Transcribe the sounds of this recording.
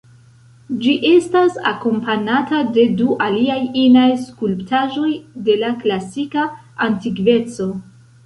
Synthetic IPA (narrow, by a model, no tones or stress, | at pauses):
d͡ʒiʔe̞stasa̰ko̞mpanatade̞duʔaliajinajskulptaʒo̞jde̞laklasika | antiɡve̞t͡so̞